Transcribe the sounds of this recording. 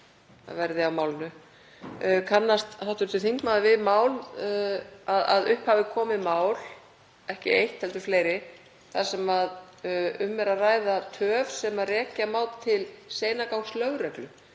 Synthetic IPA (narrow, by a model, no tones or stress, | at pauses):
a̰vɛɾðɪawmaːwlɪnʏ | kʰanːast̪hawht̪ʏɾt̪ʰɪlθiŋkmaðvɪðmaːwl | aða̰ðʏhphavɪkʰɔːmɪmaːwl | ɛhcɪejht̪hɛlt̪ʏ̥ɾfleːjɾɪ | θasɛmað | ʏmːɛɾaðraːjðat̪ʰœːvsɛmarɛːcamaːwlt̪ʰɪlseːjnakawŋslœːɣɾɛklʏ